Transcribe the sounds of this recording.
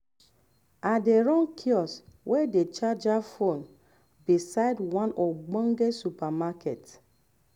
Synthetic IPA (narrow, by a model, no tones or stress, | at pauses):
adeɾɔ̃ŋkʰiɔswʔɛdet͡ʃad͡ʒafon | bisaɪdwãnɔɡ͡bɔ̃ŋɡesupamaket